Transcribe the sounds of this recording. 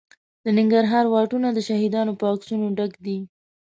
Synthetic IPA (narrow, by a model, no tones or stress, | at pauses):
d̪ənɪŋɡaɾɦɑɾwɑʈunad̪əʃahid̪ɑnopəɑksunoɖaɡd̪i